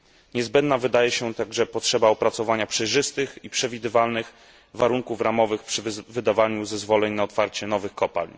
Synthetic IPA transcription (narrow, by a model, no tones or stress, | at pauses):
ɲɛzbɛnd̪navɘd̪ajɛɕɛt̪aɡʐɛpɔtʂɛbaɔpɾat̪sɔvaɲapʂɛjʐɘst̪ɘxipʂɛvʲid̪ɘvalnɘx | vaɾuŋkufɾamɔvɘxpʂɘvɘd̪avaɲuzɛzvɔlɛɲnaɔt̪faɾt͡ɕɛnɔvɘxkɔpa̰lʲɲ